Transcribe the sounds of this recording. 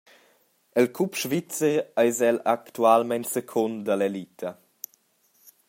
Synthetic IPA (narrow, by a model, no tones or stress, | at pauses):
əlkʰupʃvit͡səɾajzɛlakt̪ualmɛnsekʰɔnd̪alelit̪ʰə